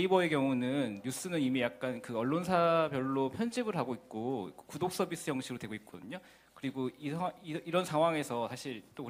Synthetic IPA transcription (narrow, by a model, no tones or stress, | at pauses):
ibʌe̞kjʌŋunɯnːus͈ɯnɯnimijak̚k͈ankɯʌɭːonsʰabjʌɭːopʰjʌnd͡ʑibɯɭɦaɡoit̚k͈okkudok̚s͈ʌbis͈ɯjʌŋɕʰiɾodwe̞ɡoit̚k͈odɯɲo | kɯɾiɡoisʰaiiɾʌnsʰaŋɦwaŋe̞sʰʌsʰaɕʰiɭt͈ok